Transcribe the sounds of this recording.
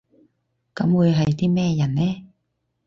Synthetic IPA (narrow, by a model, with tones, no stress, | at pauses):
kɐ˨˥mwuː˨˧jɦɐ˨jt̪iː˥mɛː˥jɐ˨˩nnɛː˥